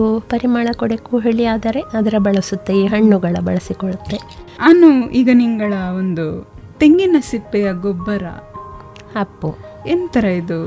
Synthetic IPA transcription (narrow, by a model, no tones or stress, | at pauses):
upɐɾimaːɭɐkɔɽekuɦeɭijaːd̪ɐɾe̞ʔɐd̪ɐɾɐbɐɭɐsut̪ːeiːɦɐɳːuɡɐɭɐbɐ̰ɭɐsikoɔɭut̪ːe̞ɐnːuiɡɐniŋɡɐɭɐond̪u | t̪eŋɡinɐsipːɛjɐɡobːɐɾɐ̰ | hɐpːuent̪ɐɾɐid̪u